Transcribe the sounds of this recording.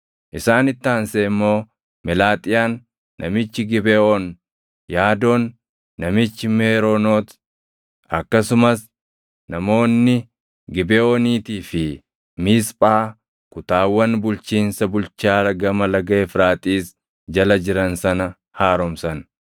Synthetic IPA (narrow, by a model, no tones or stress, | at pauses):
ʔɪsaːnɪt̪ːaːnseɪmːo̞ː | mɛlaːt̪ʼɪjaːnː | ʔɐ̰mɪt͡ʃːɪɡɪbɛʔon | jaːd̪oːnː | ɐmɪt͡ʃːɪmeːɾoːno̞ːt̪ | ɐkːɐsʊmɐs | nɐmo̞ːnːɪ | ɡɪbɛoːniːt̪iːfɪ | miːspʼaː | kʊt̪aːwːɐnbʊlt͡ʃiːnsɐbʊlt͡ʃaːlɐɡɐmɐlɐɡɐɛfɾaːt̪ʼiːs | d͡ʒɐlɐd͡ʒɪɾɐnsɐnɐ | haːɾɔmsɐn